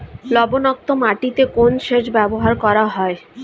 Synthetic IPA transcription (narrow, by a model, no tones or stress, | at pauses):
lɔbonɔk̚t̪omaʈit̪ekonʃeʃbɛboɦaɾkɔɾaɦɔe